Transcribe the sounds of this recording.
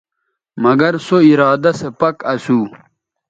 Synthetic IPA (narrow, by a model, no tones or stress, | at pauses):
mɐɡɐɾsoiɾaːd̪ɐsepɐkɐsuː